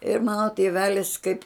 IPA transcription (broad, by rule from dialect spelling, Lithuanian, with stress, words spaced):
ɪr mɐnoː tʲeːˈʋʲæːlʲɪs kɐɪp